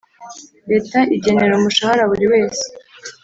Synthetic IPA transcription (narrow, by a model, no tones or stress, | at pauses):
ɾe̞taʔiɟe̞ne̞ɾomuʃahaɾaβuɾiwe̞ːse̥